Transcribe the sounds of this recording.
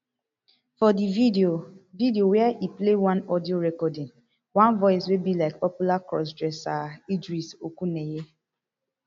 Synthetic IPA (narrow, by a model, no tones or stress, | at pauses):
fɔdiovideowɛɛʔiplewãnɔdioɾɛkɔdɪ̃ŋ | wãnvɔɪswebilaɪk̚pɔpjulakɾɔ̰s̬dɹɛsaidɾisokuneje